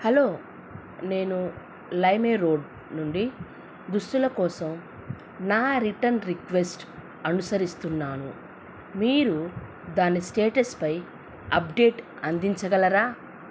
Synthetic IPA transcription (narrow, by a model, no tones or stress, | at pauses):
hɐlo̞ː | ne̞ːnu | lɐjmeːɾo̞ːɖ | nuɳɖi | ɡ̪ust̪ulɐkɔːsɐm | naːɾiʈɐnɾikʋesʈ | ɐnusɐɾist̪unːaːnṵ | miːɾu | d̪aːnːisʈeːʈɐspɐj | ɐpɖe̞ːʈ | ɐnd̪iɲt͡ʃɐɡɐlɐɾaː